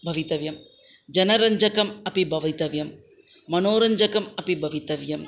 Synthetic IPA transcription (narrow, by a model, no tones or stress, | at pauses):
bʱɐʋit̪ɐʋjɐm | d͡ʒɐnɐɾɐɲd͡ʒɐkɐmɐpibʱɐʋɐt̪ɐʋjɐmː | ɐnoːɾɐɲd͡ʒɐkɐmɐpibʱɐʋit̪ɐʋjɐm